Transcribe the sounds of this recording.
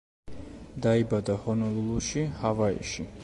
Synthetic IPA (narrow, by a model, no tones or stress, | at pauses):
d̪aibad̪ahɔnɔlˠulˠuʃihavaḭʃi